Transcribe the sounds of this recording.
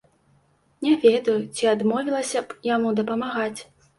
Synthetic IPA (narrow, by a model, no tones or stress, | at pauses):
nʲɛvʲɛd̪ɐjut͡sʲiad̪mɔvʲilˠɐsʲɐbjamud̪ɐpɐmaɣat͡sʲ